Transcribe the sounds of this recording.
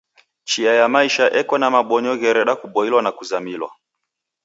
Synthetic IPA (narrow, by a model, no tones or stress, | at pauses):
t͡ʃiajamaiʃaʔɛkwɔnamaɓɔɲɔɣɛɾɛɗakuɓɔilwanakuzamilwa̰